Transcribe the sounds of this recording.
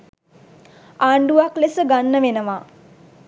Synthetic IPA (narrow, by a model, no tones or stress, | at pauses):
aːɳɖuʋaklesəɡanːəʋenəʋa